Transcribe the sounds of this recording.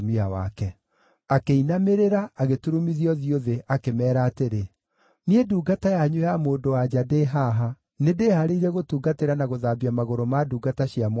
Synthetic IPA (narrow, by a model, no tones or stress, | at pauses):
miawa̰kɛ | akeinameɾeɾaaɣetuɾumiðiɔðioðeʔakemɛːɾaːteɾe | nieduːɡatajaɲwjamoːndowad͡ʑadeɦaɦa | nedeːhaɾeiɾɛɣotuːɡateɾanaɣoðaːbiamaɣoɾomaduːɡataɕiam